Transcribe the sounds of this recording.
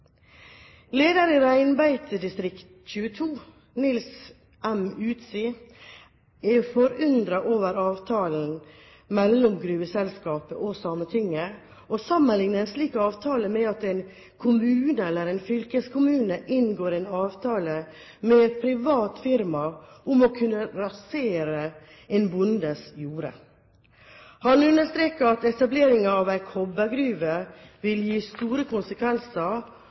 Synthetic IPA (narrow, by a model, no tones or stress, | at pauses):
leːd̪əɾɪɾæɪnbæɪt̪əd̪ɪst̪ɾɪkt̪c͡çʉːət̪ʰuː | nɪls | ʔæmʉːt̪siː | ɛfɔɾʏnd̪ɾɑʔoːʋəɾɑːʋt̪ʰɑːln̩ | mɛlːɔmɡɾʉːəsɛlskɑːpəʔɔsɑːmət̪ʰɪŋːə | ʔosɑmənlɪŋnəæsliːkɑːʋt̪ʰɑːləmɛɑt̪ɛɪn | kʰʊmʉːnəɛlːəɾɛɪnfʏlkəskʰʊmʉːnəʔɪnɡoːɾɛnɑːʋt̪ʰɑːlə | mɛpʰɾɪʋɑːt̪fɪɾmɑʔʊmɔkʰʉnːəɾɑseːɾə | eːnbʊnd̪əsjuːɾə̰ | hɑnʉnd̪əʂt̪ɾeːkəɾɑt̪ɛt̪ɑbleːɾɪŋəɑʋæɪkʰɔbəɡɾyːʋəʋɪljiːst̪uːɾəkʰʊnsəkʰʋɛnsəɾ